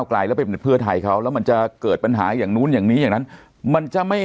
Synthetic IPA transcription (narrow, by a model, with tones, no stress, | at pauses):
wkla̰ː˧˩jlɛ˦˥pa˧ppʰɯ˥˩ɐt̪ʰa˧jkʰa˦˥wlɛː˦˥wma˧nt͡ɕa˨˩kɤː˨˩t̪̚pa˧nɦaː˩˦jaː˨˩ŋnuː˦˥njaː˨˩ŋniː˦˥jaː˨˩ŋna˦˥n | ma˧nt͡ɕa˨˩ma˥˩j